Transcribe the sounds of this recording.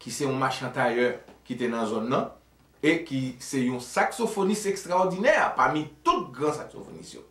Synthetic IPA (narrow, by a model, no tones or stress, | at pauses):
kisɛũmaʃɛ̃t̪ajœkit̪enɐ̃zɔnːɐ̃ | ekisɛjũsaksofonisɛkst̪ʁaɔʁdinɛpamit̪ut̪̚ɡʁãsakso̰fo̰nḭsjo̰